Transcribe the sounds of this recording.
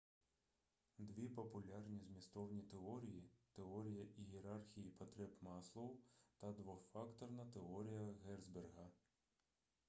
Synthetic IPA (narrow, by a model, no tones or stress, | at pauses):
d̪ʋʲipɔpʊlʲarnʲizʲmʲist̪ɔwnʲit̪eɔɾʲijit̪eɔɾʲijɐʔijeɾɑrxʲijipɐt̪ɾɛpmɑslˠɔwt̪ɐd̪ʋɔfɑkt̪ɔrnɐt̪eɔɾʲijɐɣɛrzberɦɐ